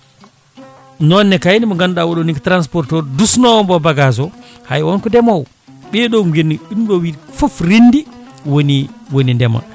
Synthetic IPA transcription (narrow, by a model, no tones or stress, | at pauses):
nɔnːɛkajnimɔŋɡanɗawɔɗɔniktɾans̬pɔɾtɔɾdusnɔwɔmbɔbaɡazɔha̰jwɔnkɔdɛmɔw | ɓɛɗɔɡenːiinɗɔwifɔfɾinːdi | woniwonindɛma̰